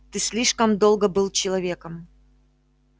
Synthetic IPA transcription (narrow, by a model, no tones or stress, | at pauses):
t̪ɨsʲlʲiʂkəmd̪olˠɡəbɨlˠt͡ɕɪlˠɐvʲe̞kəm